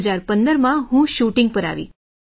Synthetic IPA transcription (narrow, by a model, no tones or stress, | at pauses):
zaːɾpənd̪əɾmãɦũʃuːʈɪ̃ŋɡ̚pəɾa̰ːʋḭː